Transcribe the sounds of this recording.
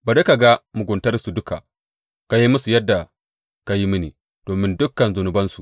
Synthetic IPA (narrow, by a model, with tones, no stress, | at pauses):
ba˨de˦ka˨ɡa˦mu˨ɡʷʊ˨ntɐ˦rsu˨dʊ˦ka̰˨ | ka˨ji˦mʊ˦su˨jɐ˦dːa˨ | ka˨ji˦mɪ˦nḭ˨ | d̥oː˨mɪ˦ndʊ˦kːɐ˨nzʊ˨nʊ˨bɐ˦nsu˨